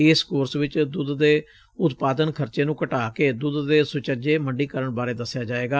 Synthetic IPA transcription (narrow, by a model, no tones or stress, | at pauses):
eːskoːɾsʋɪt͡ʃd̪ʊd̪ːeː | ʊt̪paːd̪ənkʰəɾt͡ʃeːnũːkəʈaːkeːd̪ʊd̪ːeːsʊt͡ʃəd͡ʒeːməɳɖiːkəɾəɳbaːɾeːd̪əsːɪjaːd͡ʒaːeːɡaː